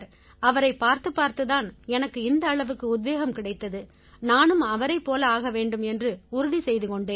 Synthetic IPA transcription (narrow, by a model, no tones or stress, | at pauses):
ɾ | ɐʋɐɾɐɪpːaːɾt̪ɯpːaːɾt̪ɯðaːnɛnɐkːɯɪnd̪ɐːɭɐʋɯkːɯʊd̪ʋeːɣɐmkɪɽɐɪt̪ːɐðɯ | naːnɯmɐʋɐɾɐɪpːoːlɐaːɣɐʋeːɳɖɯmɛndrɯʊɾʊðisɛjðɯkɔɳɖeːn